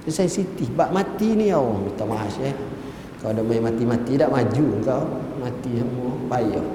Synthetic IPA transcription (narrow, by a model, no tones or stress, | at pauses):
əsaisit̪ibaʔmat̪iniawmit̪amaɦase | kaodaʔmaimat̪imat̪idaʔmad͡ʒuŋkaumat̪isəmuɔbaiʔo